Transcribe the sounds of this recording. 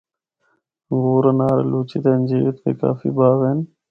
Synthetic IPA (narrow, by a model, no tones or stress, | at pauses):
ɡoːɾɐnaːɾḛluːt͡ʃit̪eːnd͡ʑiːt̪pḛka̰ːfḭbaːʋeːn